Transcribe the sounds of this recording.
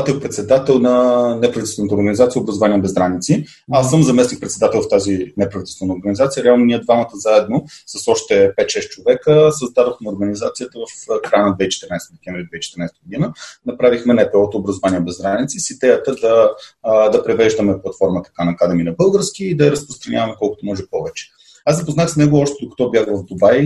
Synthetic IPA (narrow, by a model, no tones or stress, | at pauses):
t̪ək̚pɾɛt̪sɛd̪at̪ɛlˠnɐnɛpɾɐvit̪ɛst̪vɛnət̪oɾɡənizat̪siəʊbɾəzovaniɛbɛzd̪ɾanit̪si | asːəmzɐmɛsnik̚pɾɛt̪sɛd̪at̪ɛlˠft̪azinɛpɾɐvit̪ɛlˠst̪vɛnəoɾɡənizat̪sijəɾɛalˠnoniɛd̪vamət̪əzaɛd̪̚nosɐsɔʃt̪ɛpɛt̪ʃɛʃ̚t͡ʃovɛkəsəzd̪ad̪oxmɛoɾɡənizat̪sijət̪əvəfkɾajənɐd̪vɛit͡ʃɛ̥t̪əɾnajst̪əd̪ɛkʲɛ̃ɱvɾid̪vɛit͡ʃɛt̪əɾnajst̪ɡʊd̪inənɐpɾavixmɛnɛpɛɔt̪əːbɾɐzovaniəɛbɛzɾanit̪sisid̪ɛjət̪əd̪ɐ | d̪ɐpɾɛvɛʒd̪əmɛplˠɐt̪fɔɾmət̪ɐ̥kanɐkad̪ɛminɐbɤlˠɡəɾskiːd̪ɐɛɾəspɾost̪ɾɐnʲʔavɐmɛkɔlˠkʊt̪omɔʒɛpɔvɛt͡ʃɛ̥ | asd̪ɐpoznaxsnɛɡoɔʃt̪ɛd̪okɐ̥t̪ɔbjaxvɐvd̪obaj